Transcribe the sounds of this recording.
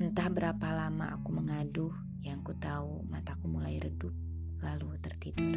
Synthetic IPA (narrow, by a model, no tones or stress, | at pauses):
ənt̪ahbəɾapalamaa̰kuməŋadʊh | jaŋkut̪aumat̪akumulajɾədʊp̚ | lalut̪ərt̪idʊ